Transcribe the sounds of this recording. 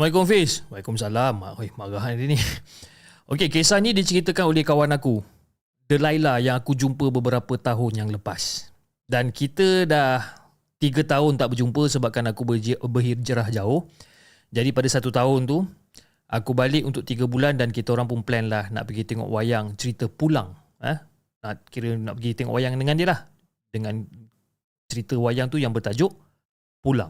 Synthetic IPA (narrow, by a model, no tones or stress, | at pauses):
majk̬ɔfɪswajkɔmsalama̰ʔhmaɡaɦanini | ʔokekesanidit͡ʃəɾit̪əkanolɛhkawanaku | dəlajlahjaŋakud͡ʒumpəbəbəɾapət̪aɦʊnjaŋləpas | dankit̪ədah | t̪iɡət̪aʊnt̪aʔbərd͡ʒumpəsəbap̚kanakubəbəɦird͡ʒəɾahd͡ʒaʊh | d͡ʒadipadasat̪ut̪aʊnt̪u | ʔakubalɪʔunt̪ʊk̚t̪iɡəbulandankit̪əoɾaŋp̬ʊnplɛnlahna̰ʔpəɡit̪eŋɔ̰ʔwajaŋt͡ʃəɾit̪əpulaŋ | ə | naʔkiɾəna̰ʔpəɡit̪ɛŋɔ̰ʔwʔajaŋdəŋãndiəlah | dəŋãn | t͡ʃəɾit̪əwajaŋt̪ujaŋbərt̪ad͡ʒʊʔ | pula̰ŋ